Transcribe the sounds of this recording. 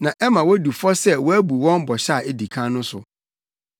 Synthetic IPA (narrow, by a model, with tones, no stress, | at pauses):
nã˨ʔɛ˦mã˨wɔ˦du˨fɔ˦sɛ˦wɔ˦æ˦bu˨wɔ̃˦n˦bɔ˨ɕa˦˨ʔɛ˦di˨kʰã˦nʊ̃˦sʊ˨